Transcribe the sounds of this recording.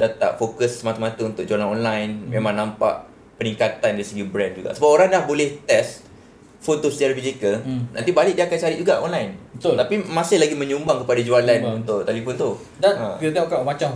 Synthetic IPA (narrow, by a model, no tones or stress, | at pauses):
dat̪a̰ʔfokəsːəmat̪amat̪aunt̪ʊk̚ʔd͡ʒualanɔnlajnmemãŋnãmpa̰ʔ | pənĩŋkat̪andaɾisəɡibɾɛnd͡ʒuɡaʔsəbapoɾaŋdahbolɛht̪ɛs | font̪usi̥t̪aɾabizikəlnã̰nt̪ibalɪʔk̚diakant͡ʃaɾɪʔd͡ʒuɡaʔɔnlajnbət̪olt̪apimãsɪhlaɡimə̃ɲumbaŋkəpadad͡ʒualanunt̪ʊʔt̪alifʊnt̪u | danəiat̪iakaʔmat͡ʃam